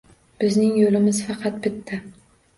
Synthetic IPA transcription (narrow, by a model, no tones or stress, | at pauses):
b̥ɪznɪŋjolɪmɪz̥fɑqʰɑt̪̚bɪt̪ʰːɪ